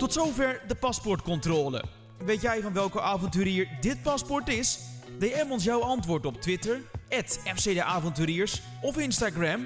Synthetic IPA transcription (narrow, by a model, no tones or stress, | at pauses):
tɔtsowvɛɹdəpɑspɔɹtkɔntroːlə̰ | ʋejtjɛjvɑnʋɛlˠkəʔaːvɔntyːɾiːɹdɪt̚pɑspɔɹtɪsdejɛmɔns̬jawɑntʋʊːɹtɔp̚tʋɪtəɹʔɛtɛfsedəʔaːvɔntyːɾiːɹs | ɔfɪnstaɡrɛm